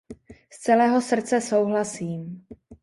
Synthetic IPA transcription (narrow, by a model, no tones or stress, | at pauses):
st͡sɛlɛːɦo̞sr̩t͡sɛso̞wɦlasiːm